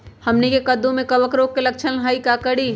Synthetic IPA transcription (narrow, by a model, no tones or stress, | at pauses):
həmnikekəd̪ũmekəbəkɾokːelək̚t͡ʃʰənɦəikakəɽi